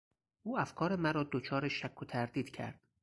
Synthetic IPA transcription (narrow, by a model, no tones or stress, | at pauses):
ʔuːæfkʰɒːɾe̞mæɾɒːd̪ot͡ʃʰɒːɾeʃækʰːot̪ʰæɾd̪iːd̪̥cʰæ̰ɾd̪̥